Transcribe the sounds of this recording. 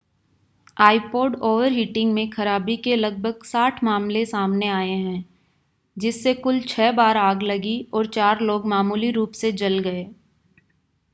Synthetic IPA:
aːipoːɖoːʋəɾɦiːʈɪ̃ŋɡmẽxɐɾaːbikelɐɡ̚bʱəɡsaːʈʰmaːmlesaːmneaːeɦɛ̃ː | d͡ʒɪsːekʊlt͡ʃʰɛːbaːɾaːɡlɐɡiɔːɾt͡ʃaːɾloːɡmaːmuːliɾuːpsed͡ʒɐlɡɐeː

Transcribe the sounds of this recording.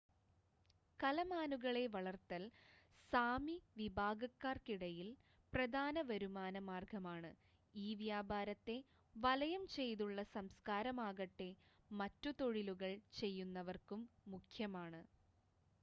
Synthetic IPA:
kɐlɐmaːnuɣɐɭe̞ʋɐɭɐrt̪ɐl | saːmiʋibʱaːɡɐkːaːrkiɽɐjil | prɐd̪ʱaːnɐʋɐɾumaːnɐmaːrɡɐmaːɳɨ | iːʋjaːbʱaːɾɐt̪ːe̞ | ʋɐlɐjɐmt͡ɕe̞jt̪uɭːɐsɐmskaːɾɐmaːɣɐʈːe̞ | mɐtːut̪o̞ɻiluɣɐɭt͡ɕe̞jːunːɐʋɐrkumːukʰjɐmaːɳɨ

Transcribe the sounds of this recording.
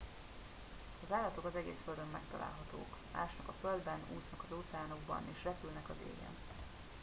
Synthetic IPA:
ɒzaːlːɒt̪o̞kɒzɛɡḛːsføld̪ømːɛkt̪ɒlʔa̰ːlɦɒt̪o̰ːkma̰ːʃnɒkɒføld̪bɛnuːsnɒkɒzoːt̪sɛaːno̞ɡ̚bɒ̰neːʃrɛpylnɛkɒzḛːɡɛ̰n

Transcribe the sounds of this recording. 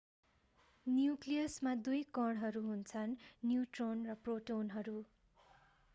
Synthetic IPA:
njuklijʌsmad̪ujkʌɽɦʌɾuɦunt͡sʰʌnːjuʈronrʌproʈonɦʌɾu

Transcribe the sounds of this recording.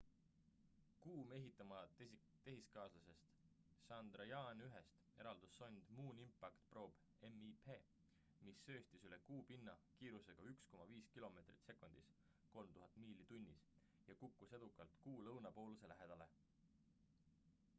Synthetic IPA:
kuːme̞ɦit̪ːˑɑmɑ | t̪e̞ɦiskɑːslɑse̞st̪ | sɑnd̪̥rɑjɑnyɦest̪e̞ɾɑld̪̥usːo̞nʲd̪̥muːnimpːˑɑkt̪pro̞ːb̥ | e̞mːipʰe̞ː | misːø̞ːst̪isyle̞kuːpinːɑkiːɾuse̞ɡ̥ɑyksko̞mɑviːskilo̞me̞ːt̪rit̪se̞kˑunʲd̪̥is | ko̞lmt̪uɦɑt̪ːˑmiːlit̪unʲːis | jɑkukːˑuse̞d̪̥ukːˑɑlt̪kuːlɤwnɑpo̞ːluse̞læɦe̞d̪̥ɑle̞̰

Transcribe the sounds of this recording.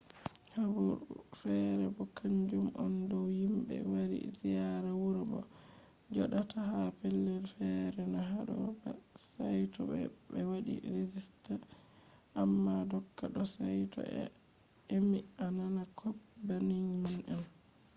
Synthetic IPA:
habuɾṵfɛɾɛbɔkʰaɲd͡ʒumʔɔndɔwhimbɛ̰waɾḭzijaɾawuɾbɔ̰ | d͡ʒɔɗatʰahapɛlːɛlfɛɾɛnɔɦaɗɔ̰ba̰ | sajtɔbɛ̰bɛwaɗḭɾezista | ʔamːadɔkːaɗɔsajtɔ̰ʔɛ̰ | emiananakʰɔp̚ | baniɲimunʔɛn

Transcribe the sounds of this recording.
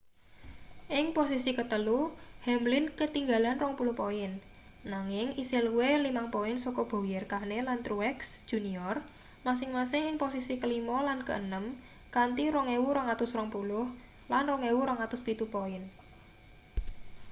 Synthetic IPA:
ʔɪŋposisikət̪əluhɛmlɪnkət̪iŋɡa̤lanrɔŋpulʊhpoɪnː | aŋɪŋisɪluwelimaŋpoɪnsɔkɔb̥ɔ̤wijərkanelant̪ɾuɛksd̥ʒ̥ṳniɔr | mas̬ɪŋmasɪŋɪŋposisikəlimɔlankə̰ʔənəm | kant̪iɾɔŋewuɾɔŋat̪ʊsrɔŋpulʊh | lanrɔŋewuɾɔŋat̪ʊspit̪upoɪn

